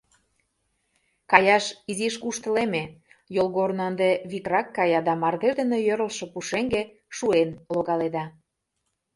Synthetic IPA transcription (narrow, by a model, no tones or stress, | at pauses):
kɑjɑʃiziʃkuʃt̪ə̆leme | jolɣornoənd̪eβikrɑkːɑjɑd̪ɑmɑrded̪ə̆nejøɾəlʃɤ̽puʃeŋɡe | ʃuenloɣɑled̪ɑ